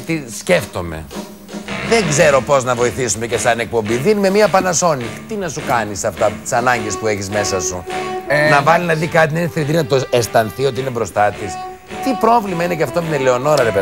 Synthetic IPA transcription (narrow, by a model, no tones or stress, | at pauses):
t̪isce̞ft̪o̞me̞̰ | ðe̞ŋɡze̞ɾo̞po̞znɐvo̞iθisumecesɐnek̚po̞mbiðinime̞miɐpɐnɐso̞nit̪inɐsukɐnisɐft̪ɐt̪i̥sɐnɐɲɟespue̞çizme̞sɐsunɐvɐlinɐðikɐt̪̬inɐineθɾiðinɐt̪oest̪ɐnθio̞t̪iinebɾo̞st̪ɐt̪is | t̪ipɾo̞vlimɐine̞ceɐft̪ominele̞o̞no̞ɾɐɾepe